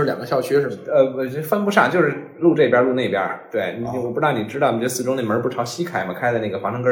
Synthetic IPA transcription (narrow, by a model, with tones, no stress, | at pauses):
ɻ̩˥˧ljɑ˨˩ŋɡə˦ɕjɑ˥˩ʊɕɥɛ˥˩ə˧˩˥fə˥˧npu˧˥ʂa̰˥˩ŋt͡ɕjo˥˧ʊʂɻ̩˥˧ | lu˥˧ʈ͡ʂɤ˥˩i˩pja˥lu˥˧ne˥˩ɪpjɐ̰˥t̪we˥˩ɪn˧˩wpu˥ɑ˥˩˧ni˨˩ʈ͡ʂɻ̩˥d̪ɑ˥˩n˨˩ɛ˧˥sɹ̩˩ʈ͡ʂʊ˥ŋnə˨˩mə˧˥pu˥˩ʈ͡ʂʰɑ˧˥ʊɕi˥kʰa˨˩ɪmɐ˦˧kʰa˥ɪ˥˧na˥˩ɡə˩xwa˧˥ʂɤ˥ŋkə˥